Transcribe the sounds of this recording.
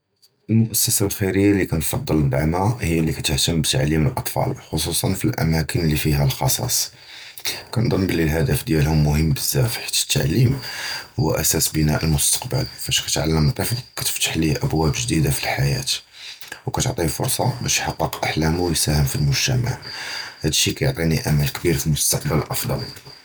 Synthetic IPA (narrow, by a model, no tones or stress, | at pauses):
ʔəlmʊʔæsːəsalxiɾəjːalikænfɑd̪ˤːəlb̪aʕmæhijːlikæt̪əht̪əmbət̪aʕlːiməlʔɑt̪ˤfɑ̰lxosusˤɑnfilʔæ̰mækʰənlːifiɦælxɑsˤɑ̰sˤ | kænd̪ˤɑnbəlːilɦæd̪əfd̪jælhʊmːʊhəmːbəzːæfħi̥t̪ːə̥t̪ːaʕlimhʊ̰wːæ̰ʔæsæsbənæʔəlmʊst̪ɑ̥qbə̰lfæʃkæt̪ʕa̰lːəmt̪ˤɑfkæt̪ə̥ft̪ːə̥ħliʔəbwæbʒd̪id̪afilħajæ̰t̪ | wkæt̪oʕt̪ˤifʊ̰ɾsˤɑbæʃħɑqːəqʔaħlæmuwjsæhəmfilmʊʒt̪əma̰ʕhæd̪ʃːikæjoʕt̪ˤiniʔamælkbiɾfilmʊst̪ɑqbəlʔɑfd̪ˤɑ̰l